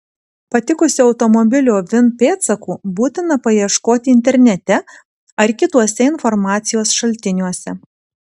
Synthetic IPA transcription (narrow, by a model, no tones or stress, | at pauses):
pɐt̪ʲɪkʊsʲɪɒʊt̪ɔmɔbʲɪlʲuːʋʲɪnpʲeːt̪sɐkuːbuːt̪ʲɪnɐpɐjiɛʃkoːt̪ʲɪɪnʲt̪ʲɛɾʲnʲɛt̪ʲɛ | ɐɾkʲɪt̪uɔsʲɛɪnfɔɾmɑːt̪sʲɪjoːsʃɐlʲt̪ʲɪnʲuɔsʲɛ